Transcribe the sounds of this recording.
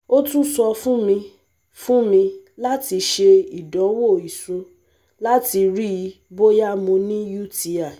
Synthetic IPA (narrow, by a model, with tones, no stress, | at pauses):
o˦tũ˦sɔ˧fũ˦mĩ˧ | fũ˦mĩ˧la˦ti˧ʃe˧i˨dɔ˨˦wo˦˨i˨sũ˧˦ | la˦ti˧ɾi˦˧ | bo˦ja˦mõ˧nĩ˦ju˦˨ti˨˦a˨